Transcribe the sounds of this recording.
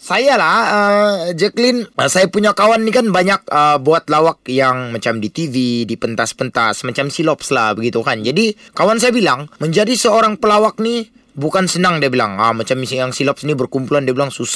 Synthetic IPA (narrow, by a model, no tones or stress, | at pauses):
sajalaəd͡ʒɛklɪnəsajapuɲakawanːikanbaɲak̚əbuat̪̚lawak̚jaŋmat͡ʃamdit̪ividipənt̪aspənt̪asmat͡ʃamsilɔp̚slahbəɡit̪ukand͡ʒadikawans̬ajabilaŋməɲd͡ʒadisəoɾaŋpəlawak̚ni | bukansənaŋdiabila̰ŋamat͡ʃamisŋjaŋsilɔp̚snibərkumpulandiabilaŋsus